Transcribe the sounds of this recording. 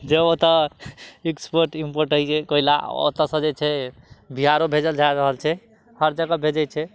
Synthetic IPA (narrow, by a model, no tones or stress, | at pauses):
d͡ʒeot̪ə | ikspoɾʈimpoɾʈɦəjt͡ʃʰɛkoɦila̰o̰t̪əsə̃d͡ʒet͡ʃʰɛbʱiɦaɾobʱed͡ʒəld͡ʒajɾəɦəlt͡ʃʰɛ | həɾd͡ʒaɡabʱed͡ʒət͡ʃʰɛ